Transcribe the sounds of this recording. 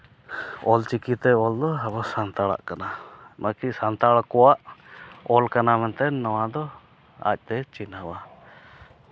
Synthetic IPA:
ɔlt͡ʃikit̪ɛɔld̪ɔɛβɔsant̪aɭa̰ʔkananakisant̪aɭkɔwaʔɔlkanamɛnt̪ɛnnawad̪ɔ | a̰c̚ˀt̪ɛt͡ʃinaba

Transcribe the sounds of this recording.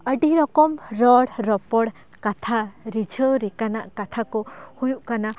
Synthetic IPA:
əɖiɾɔkɔmɾɔɽɾɔpɔɽ | kat̪ʰaɾid͡ʒʱəɾikanaʔkat̪ʰakɔhujuʔkana

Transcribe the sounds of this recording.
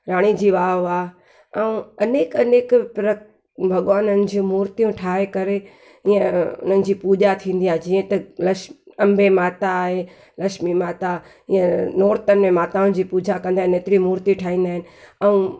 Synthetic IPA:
ɾaːɽ̃id͡ʑiːʋaːɦaː | ɛũɐneːkɐneːkpɾɐ | bʱɐɠʋaːnənɪ̆d͡ʑĩmuːɾt̪ijũʈʰaːɦekɐɾe | iə̃ʊ̰n̤ənɪ̆d͡ʑiːpuːd͡ʑat̪ʰĩːn̆d̪iaːɦed͡ʑiːə̃t̪ɐlɐʃɐ̃mbʱemaːt̪aːɦe | lɐʃmimaːt̪a | iːə̃noːɾt̪ənɪ̆mẽmaːt̪aʊnd͡ʑiːpuːd͡ʑʱakɐ̃nd̪aːɦɪneːt̪ɪɾimuːɾt̪iʈʰaːɦĩːnd̪aːɪnɪ̆ɐũ

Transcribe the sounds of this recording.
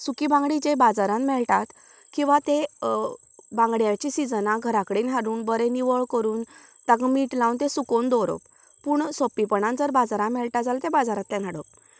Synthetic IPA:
sukibãŋɡɽid͡ʑebad͡zaɾãmmɛɭʈat̪ | kĩw̃ʋat̪e | bãŋɡɽjat͡ɕisid͡zənaɡʱəɾakɽiːnɦaɾuːnbəɾeniʋəɭkəɾuːnt̪aɡmiʈlaunt̪esukond̪oɾo̰p | puːɳsopːipəɳãnd͡zəɾbad͡zaɾãmɛlʈad͡zalt̪ebad͡zaɾãt̪ːɛ̃n̤aɽəp

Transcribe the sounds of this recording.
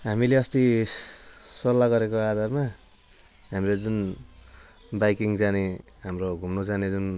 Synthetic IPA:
ɦamileʌst̪i | sʌrlːaɡʌɾekoad̪ʱarma | ɦamɾed͡zun | bajkiŋd͡zaneɦamroɡʱumnod͡zaned͡zun

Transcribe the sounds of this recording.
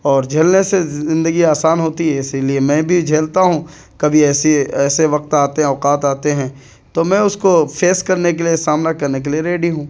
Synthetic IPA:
ɔːɾd͡ʒʱɐlnesezɪ̃nd̪əɡiaːsaːnɦoːt̪iɦɛ̃ɪsiliemɛ̃ːbʱid͡ʒʱeːlt̪aɦũ | kɐbʱiɛːsiɛːseʋɐq̚t̪aːt̪eɦɛ̃ɔːqaːt̪aːt̪eɦɛ̃ː | t̪omɛ̃ːʊskopʰeːskɐɾnek̬eliesaːmnakɐɾnek̬elieɾeːɖiɦũː

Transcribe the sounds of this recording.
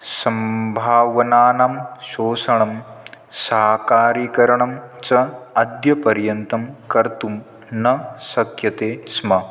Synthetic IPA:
sɐmbʱaːʋɐnaːnaːmʃoːsɐɳɐm | sɐɦkaːɾiːkɐɾɐɳɐmt͡ʃɐɐd̪jɐpɐɾjɐnt̪ɐmkɐɾt̪um | nɐsɐkʰjɐt̪eːsmɐ

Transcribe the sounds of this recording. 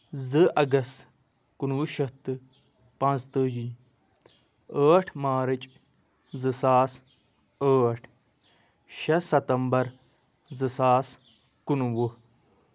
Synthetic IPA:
zɨʔɐɡɐst̪ | kunwuʃɐt̪ɨ | pɐ̃nzt̪ɨd͡ʒiː | əːʈʰmaːɾit͡ʃʼ | zɨsaːs | əːʈʰ | ʃɐsɐt̪ɐmbɐɾ | zɨsaːs | kunʋu

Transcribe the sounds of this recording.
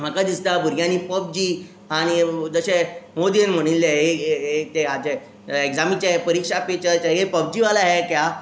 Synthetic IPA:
m̤akad̪ist̪abʱuɾjãniːpəb̚d͡ʑi | aɽ̃id͡zəɕemod̪ienm̤əɽ̃ilːeɦeɦet̪eat͡ɕe | eɡd͡zamit͡ɕapəɾikʂapet͡ɕət͡ɕaepəb̚d͡ʑiʋalaɦɛkja

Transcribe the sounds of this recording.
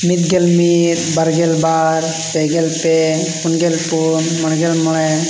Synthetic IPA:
mit̪ɡelmit̪̚baɾɡɛlbaɾ | pɛɡelpɛ | punɡelpunmɔɽɡɛlmɔɽɛ

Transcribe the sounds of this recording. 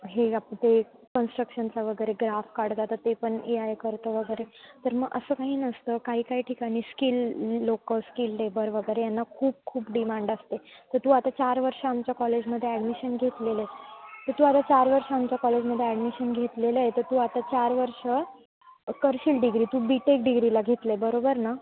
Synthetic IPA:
ɦeapəɳt̪e | kənsʈɾəkʂənt͡saʋəɡəjɾeɡɾafkaɽd͡z̪at̪ət̪epəɳiajkəɾt̪əʋəɡəjɾet̪əɾməɡʔə̰səːkaɦiːnəst̪əkaɦiːkaɦiːʈʰikaɽ̃iːskilːokəskilːebəɾʋəɡəjɾejanːakʰuːb̚kʰuːpɖimaɳɖast̪et̪əɾt̪uːat̪at͡ɕaɾʋəɾʂəamt͡ɕjakɔled͡ʑməd̪ʱːjeæɖmiɕənɡʱet̪leləet̪əɾt̪uːat̪at͡ɕaɾʋəɾʂəamt͡ɕjakɔled͡ʑməd̪ʱːjeæɖmiɕənɡʱet̪leləjet̪əɾt̪uːat̪at͡ɕaɾʋəɾʂə | kəɾɕilɖiɡɾiːt̪uːbiʈek̚ɖiɡɾilaɡʱet̪ləebəɾobəɾna

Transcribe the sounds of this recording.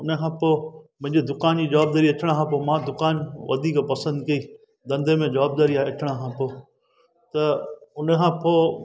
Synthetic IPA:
ʊnəkʰãːpoːmʊ̃ɦɪ̃ɲd͡ʑed̪ʊkaːnd͡ʑiːd͡ʒɐʋaːb̚d̪aːɾiɐʈʰɪɽ̃kʰãːp̬oːmãːd̪ʊkaːnʋɐ̰d̪ʱiːkpɐsə̃nd̪kɐi | d̪ɐ̃nd̪emẽd͡ʒɐʋaːb̚d̪aːɾiaːɦeɐʈʰɪɽ̃əkʰãːpoː | t̪ɐʊnəkʰãːpoː

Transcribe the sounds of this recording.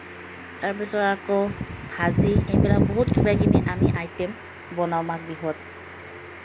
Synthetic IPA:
taɹpisɔɹakobʱaziejbɛlak̚bɔɦutkʰibajkʰiniʔamiʔajtɛm | bɔnawmak̚biɦɔt̚

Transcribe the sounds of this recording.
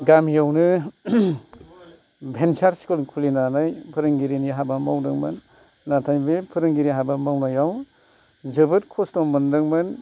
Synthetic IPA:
ɡamjawnɯ | bʱensaɾsi̥kulkʰulinanajpʰɯɾɯŋɡiɾiniɦabamawdɯŋmɯ̰nː | atʰajbepʰɯɾɯŋɡiɾiɦabamawnajaw | zɯbɯt̚kʰɔstɔmmɯndɯŋmɯn

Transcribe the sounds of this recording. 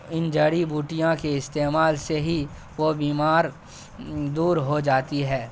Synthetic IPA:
ɪnd͡ʒɐɽibuːʈijãkeɪst̪eːmaːlseɦi | ʋobiːmaːɾ | d̪uːɾɦod͡ʒaːt̪iɦɛː

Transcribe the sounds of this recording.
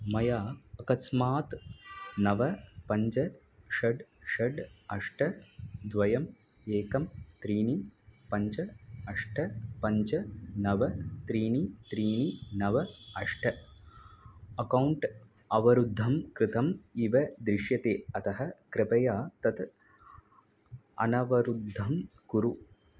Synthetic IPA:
mɐjaːɐkɐsmaːt̪nɐʋɐpɐɲt͡ʃɐ | ʃɐɖʃɐɖɐʂʈɐd̪ʋɐjɐm | eːkɐmt̪ɾiːnipɐɲt͡ʃɐɐʂʈʰɐpɐɲt͡ʃɐnɐʋɐt̪ɾiːnit̪ɾiːninɐʋɐɐʂʈʰɐ | ɐkɐwɳʈ | ɐʋɐɾud̪ʱːɐmkɾɪt̪ɐmiʋɐd̪ɾɪʂjɐt̪eːɐt̪ɐɦɐ̆kɾɪpɐjaːt̪ɐt̪ | ɐ̰nɐʋɐɾud̪ʱːɐmkuɾu

